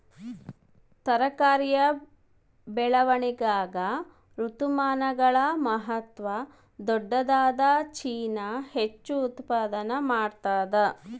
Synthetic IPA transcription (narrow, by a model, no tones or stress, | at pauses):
t̪ɐɾɐkaːɾjɐ | bɛɭɐʋɐɳiɡaːɡɐ | ɾut̪umaːnɐɡɐɭɐmɐɦɐt̪ʋɐ | d̪ɔɖːɐd̪aːd̪ɐt͡ʃiːnɐhet͡ʃːuːt̪paːd̪ɐnɐmaːɽt̪aːd̪ɐ